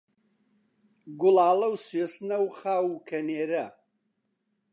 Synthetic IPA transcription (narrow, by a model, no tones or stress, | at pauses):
ɡʊlaːlɐwsesnɐwχaːwukʰɐneːɾɐ